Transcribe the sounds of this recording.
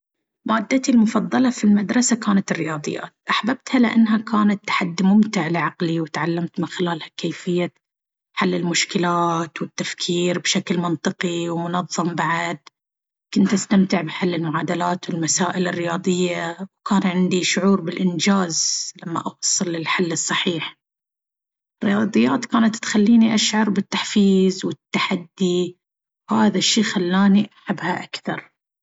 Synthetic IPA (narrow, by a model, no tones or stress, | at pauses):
maːd̪ːat̪ilmʊfɑðˤːɑlɑfilmad̪ɾˤɑsakaːnat̪ɪrːɪjɑːd̪ˤɨ̰jːa̰ːt̪̚ʔaħbab̚t̪halɪʔa̰nːɦakʰaːnat̪ːḁħad̪ːimʊmt̪ɪʕlɪʕɑqliwɪt̪ʕalːamt̪mɪnxɪlaːlhakeːfɪjːa | ħalːɪlmʊʃkɪlaːt̪wɪt̪ːafkʰiːɾbʃaklmɪnt̪ˤɨqiwmʊnɑðˤːɑmbaʕad̪̚ | kʊnt̪ʔast̪amt̪ɪʕbɪħalːɪlmʊʕaːd̪alaːt̪wɪlmasaːʔɪlɪrːɪjɑːd̪ˤɨjːawkaːnʕɪnd̪iʃʊʕuːɾbɪlʔɪnd͡ʒaːzlamːa̰ʔɑwɑsˤːɨlːɪlħalːɨsˤːɑħiːħ | rːɪjɑːd̪ˤɨjːaːt̪kaːnat̪ːxalːiːniʔaʃʕɑɾˤbɪt̪ːaħfiːzwɪt̪ːaħad̪ːi | whaːðaʃːiːxalːaːniʔaħabːhaʔakθɑɾˤ